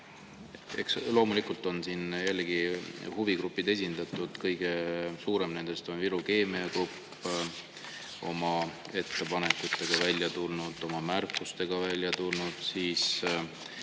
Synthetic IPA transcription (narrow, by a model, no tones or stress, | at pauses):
e̞̰kslo̞ːmulikult̪ˑo̞nsiːnjælːeɡ̥ihuviɡɾupːˑid̪̥e̞s̬ʲind̪ɑt̪ːˑud̪̥kɤjɡ̥e̞suːɾe̞mne̞nd̪̥e̞st̪o̞nviɾuke̞ːmiɑkrupː | o̞mɑ | e̞t̪ːe̞pɑne̞kut̪ːe̞ɡ̥ɑvælʲːjɑt̪ulnud̪̥o̞mɑmærkːˑust̪e̞ɡ̥ɑvælʲjɑt̪ulnud̪̥siːs